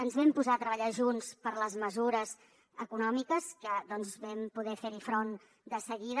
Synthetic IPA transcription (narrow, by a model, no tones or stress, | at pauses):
ənzβɛmpuzaət̪ɾəβəʎaʒunspəɾləzməzuɾəz | əkunɔmikəskəðɔnzβɛmpuðɛfeɾifɾon | d̪əsəɣið